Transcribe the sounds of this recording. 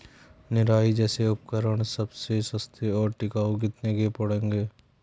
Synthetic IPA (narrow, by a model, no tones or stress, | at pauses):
nɪɾaːid͡ʒɛːseʊp̚kəɾəɽ̃səbsesəst̪ʰeɔːɾʈɪkaːok̬ɪt̪nekepəɽẽːŋɡeː